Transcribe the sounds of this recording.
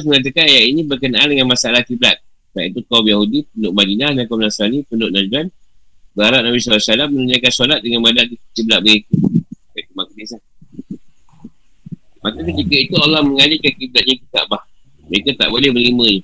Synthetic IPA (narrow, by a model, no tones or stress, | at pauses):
as̬məŋat̪̬əkanjaʔinĩbərkənaʔandəŋanmasaalahkiblat̪̚ | taʔit̪ukamjahudipənʊʔ̚madinahdankamnasanipənʊʔnad͡ʒan | bəaɾaʔ̚nabisalasalamːənuɲajkansolat̪̚dəŋanmadakikiblat̪̚bəɡikukait̪umak̚dislah | makakət̪ikəit̪ualːahməŋalikankiblat̪̚ɲakit̪a̰ʔbah | məɾekat̪a̰ʔbolɛhbərlimə̃nu